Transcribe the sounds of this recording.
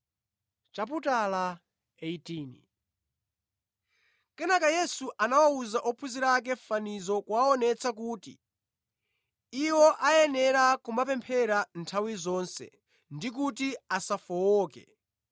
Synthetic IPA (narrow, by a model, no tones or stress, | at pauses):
t͡ʃap̬utala | eitiːnḭ | kɛnakajɛsuʔanawauzaʔɔpʰuziɾak̬ɛfanizɔkwaɔnɛt͡sakuːtḭ | iwɔʔajɛnɛɾakumbapɛmpʰɛɾantʰawizɔːnsɛ̰ | ndik̬utiasafɔwɔːkɛ̰